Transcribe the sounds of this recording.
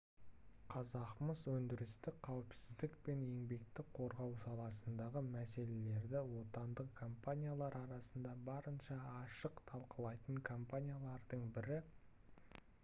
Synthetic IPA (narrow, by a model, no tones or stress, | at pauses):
qʰɑzɑqməzwɵnd̪ɪɾɪst̪ɪkqʰːɑwɪpsɪzd̪ɪkpe̞nje̞ŋbe̞k̚t̪ɪk̚qʰo̞ɾʁɑwsɑlˠɑsənd̪ɑʁəmæse̞le̞le̞ɾd̪ɪwo̞t̪ɑnd̪əqkʰompanʲijalˠɑɾɑɾɑsənd̪ɑbɑɾənʃɑːʃəqt̪ʰɑlˠqəlˠɑjt̪əɴkʰompanʲijalˠɑɾd̪əɴbɪɾɪ